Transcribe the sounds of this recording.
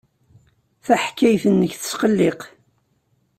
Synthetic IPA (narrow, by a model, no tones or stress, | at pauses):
θæħkːæjθənːəçθə̥sqəlːeq